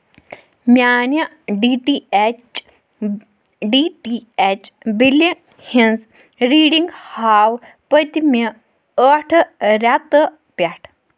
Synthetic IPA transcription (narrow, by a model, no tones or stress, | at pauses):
mʲaːnɐ | ɖiːʈiet͡ʃ | ɖiːʈiet͡ʃbili | hinz | ɾiːɽiŋɡhaːw | pət̪imi | əʈʰɾat̪ɨ | pʲaʈʰ